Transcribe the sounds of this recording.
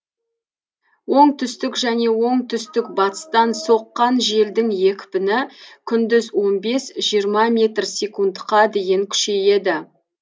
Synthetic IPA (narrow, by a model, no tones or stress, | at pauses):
wo̞ɴt̪ʰʏst̪ɪkʒæne̞wo̞ɴt̪ʰʏst̪ɪk̚bɑt̪ə̥st̪ɑnso̞qːɑnʒe̞ld̪ɪŋje̞kʲpɪnɪkʲʰʏnd̪ɪzwo̞nbe̞sʒijəɾmɑmʲe̞t̪rsʲe̞kund̪qɑd̪e̞jɪŋkʲʰʏ̥ʃe̞je̞d̪ɪ